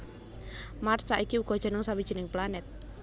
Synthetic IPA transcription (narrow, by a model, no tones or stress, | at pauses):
marsaʔikiuɡ̥ɔ̤d̥ʒ̥ə̤nʊŋsawidʒ̥i̤nɪŋplanɛt̪̚